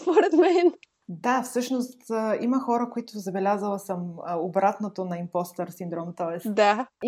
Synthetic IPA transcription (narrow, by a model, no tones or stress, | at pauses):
spoɾɛt̪mɛn | d̪afsɤʃnost̪əiməxɔɾəkoit̪ʊzɐbɛlʲazəlˠɐsəməobɾat̪not̪onɐimpɔst̪ɛɾsind̪ɾɔmt̪ɔɛsd̪a